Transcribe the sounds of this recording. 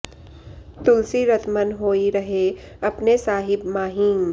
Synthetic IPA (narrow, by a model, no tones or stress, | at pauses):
t̪ʊlsiɾɐt̪ʰmənɦoːiɾɐɦeɐpnesaːɦɪbmaːɦiːŋ